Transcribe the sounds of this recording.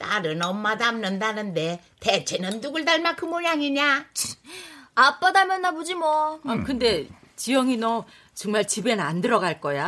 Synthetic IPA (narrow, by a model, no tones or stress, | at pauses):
t͈aɾɯnʌmːadamnɯndanɯnde̞ | tet͡ɕʰenɯntuɡɯɭdaɭmakʰɯmoɲaŋiɲa | ap͈ːadamjʌnːabod͡ʑimʌkɯnde̞ | t͡ɕijʌŋino | t͡ɕʌŋmaɭt͡ɕibe̞nandɯɾʌɡaɭk͈ʌja